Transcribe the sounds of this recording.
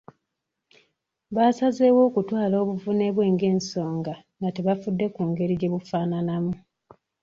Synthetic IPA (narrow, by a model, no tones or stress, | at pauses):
βaːsaze̞wo̞ːkutwaːlo̞ːβuvune̞βwe̞ːŋɡe̞ːnso̞ːŋɡaŋɡateβafudːe̞kuːŋɡe̞ɾiɟe̞βufaːnanamu